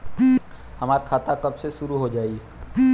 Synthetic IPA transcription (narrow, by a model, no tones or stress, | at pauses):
hɐmaːɾkʰaːt̪akɐbseʃʊɾuɦod͡ʒaːiɛ